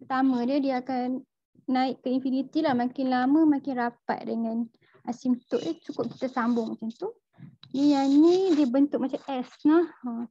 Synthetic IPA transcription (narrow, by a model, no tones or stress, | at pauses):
pərt̪amə̃diədiəakanː | aɪʔkəinfinit̪ilahmãkɪnlamə̃makɪnrapa̰t̪̚dəŋãn | ʔasimt̪ʊʔit͡ʃukʊp̚ki̥t̪asambʊŋmat͡ʃamt̪u | dijanidiəbənt̪ʊʔ̚mat͡ʃamɛsnah